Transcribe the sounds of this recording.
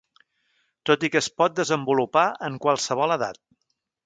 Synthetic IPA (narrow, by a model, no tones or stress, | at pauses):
t̪ot̪ikəspɔt̪̚d̪əzəmbulupaəŋkwalˠsəβ̞ɔləða̰t̪̚